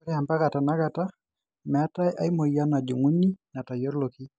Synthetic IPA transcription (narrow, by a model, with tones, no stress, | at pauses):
ɾɛa˨mpa˦ka˨ta˨na˦ɡa˨ta˦ | mɛ˨a˦ta˦jʔa˦jmo˨ja˦na˨d͡ʒu˨ŋu˦ni˦na˨ta˨jɔ˦ɾlo˨ki˦